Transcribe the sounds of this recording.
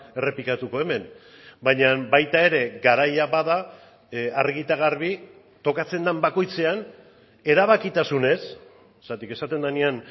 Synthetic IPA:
e̞re̞pikat̪uko̞e̞me̞n | baɲambajt̪ae̞ɾe̞ɡaɾajaβaða | arɣit̪aɣ̞arβi | t̪o̞kat͡se̞nd̪ambako̞jt͡se̞an | e̞ɾaβ̞akit̪asune̞s | sat̪ike̞sat̪e̞nd̪anian

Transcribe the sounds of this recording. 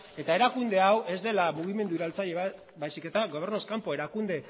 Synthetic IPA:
e̞t̪ae̞ɾakund̪e̞awʔe̞zd̪e̞lamuɣ̞ime̞nd̪uːɾalt͡saʎeβ | bajsike̞t̪aɣo̞β̞e̞ɾnoskampo̞e̞ɾakund̪e̞

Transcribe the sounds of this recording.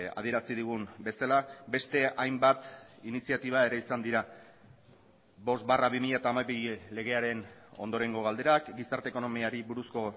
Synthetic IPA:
a̰ð̞ie̞ɾasiðuɣ̞umbe̞salabe̞st̪e̞ʔajmbat̪inisiat̪iβ̞ae̞ɾe̞isand̪iɾa | bo̞st̪baraβimiʎat̪aːmaβile̞ɣ̞e̞aɾe̞no̞̰nd̪o̞ɾe̞ŋɡo̞ɣald̪e̞ɾakɡisaɾt̪eko̞no̞miaɾiβuɾusko̞

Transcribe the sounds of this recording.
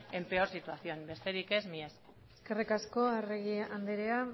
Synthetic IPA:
e̞mpe̞oɾsit̪uaθio̞nbe̞st̪e̞ɾike̞zmies | eske̞rikasko̞areɣiand̪eɾea

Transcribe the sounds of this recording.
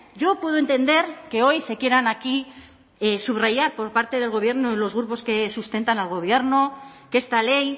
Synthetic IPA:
ɟ͡ʝo̞pwe̞ð̞oe̞nt̪e̞nd̪e̞ɾke̞o̞jse̞kje̞ɾanaki | suβrajaɾpo̞ɾpaɾt̪e̞ðe̞lɣo̞β̞je̞ɾnolo̞zɣɾupo̞ske̞sust̪ent̪analɣo̞β̞je̞ɾnokeest̪ale̞j

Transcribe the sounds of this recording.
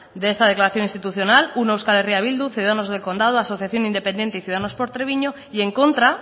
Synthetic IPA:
d̪eest̪að̞e̞klaɾaθjo̞nĩnst̪it̪uθjo̞nalunewskaleriaβ̞ild̪uθjuðaano̞zðelko̞nd̪að̞oaso̞θjaθjo̞nind̪e̞pe̞ne̞nt̪eiθjuðaano̞spo̞ɾt̪ɾeβiɲo̞ | ie̞ŋko̞nt̪ɾa

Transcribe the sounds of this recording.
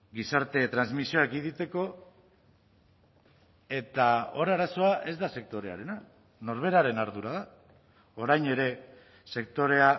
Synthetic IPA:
ɡisaɾt̪e̞t̪ɾanzmisio̞ak̚ɡiðit̪e̞ko̞ | e̞t̪aoɾaɾaso̞aʔe̞zd̪ase̞k̚t̪o̞ɾe̞a̰ɾe̞na | no̞ɾβ̞e̞ɾaɾe̞naɾðuɾaða | o̞ɾajne̞ɾe̞ | se̞k̚t̪o̞ɾe̞a

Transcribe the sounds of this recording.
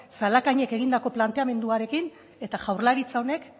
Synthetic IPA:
salakaɲe̞ke̞ɣind̪ako̞plant̪e̞ame̞nd̪uaɾe̞kin | e̞t̪aʝawɾlaɾit͡sao̞ne̞k

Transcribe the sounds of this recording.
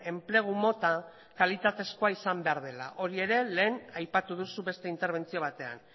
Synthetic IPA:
e̞mple̞ɣ̞umo̞t̪a | kalit̪at̪e̞skoaisambe̞aɾð̞e̞la̰ʔo̞ɾie̞ɾe̞le̞ːnajpat̪uð̞usuβe̞st̪e̞int̪e̞ɾβ̞e̞nt͡sio̞β̞at̪e̞a̰n

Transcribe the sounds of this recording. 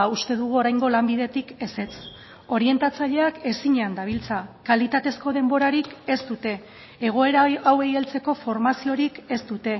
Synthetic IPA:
ust̪e̞ðuɣ̞uo̞ɾajŋɡo̞lambið̞e̞t̪ike̞se̞t͡s | o̞ɾie̞nt̪at͡saʎe̞ake̞siɲeand̪aβ̞ilt͡sakalit̪at̪e̞sko̞ð̞e̞mbo̞ɾaɾike̞st̪ut̪e̞ː | ɣ̞o̞e̞ɾaawejelt͡se̞ko̞fo̞ɾmasio̞ɾike̞st̪ut̪e̞

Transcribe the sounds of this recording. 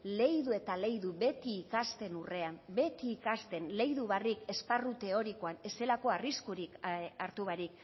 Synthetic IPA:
le̞jðue̞t̪ale̞jðuβe̞t̪iːkast̪e̞nure̞ambe̞t̪iːkast̪e̞nle̞jðuβarike̞sparut̪e̞o̞ɾiko̞ane̞se̞lako̞ariskuɾikaɾt̪uβaɾik

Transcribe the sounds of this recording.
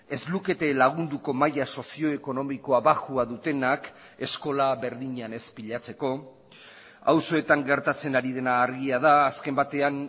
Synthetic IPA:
e̞zluke̞t̪e̞laɣ̞und̪uko̞majaso̞sio̞eko̞no̞miko̞aβaxuaðut̪e̞nak | e̞sko̞laβe̞ɾðiɲane̞spiʎat͡se̞ko̞ | awso̞e̞t̪aŋɡe̞ɾt̪at͡se̞naɾið̞e̞naːɾɣiaðaːske̞mbat̪e̞an

